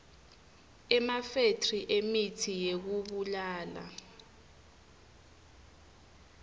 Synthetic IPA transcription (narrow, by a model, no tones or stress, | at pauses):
ɛmafetʰʼriʔemitʰijek̬uɓulaːla̰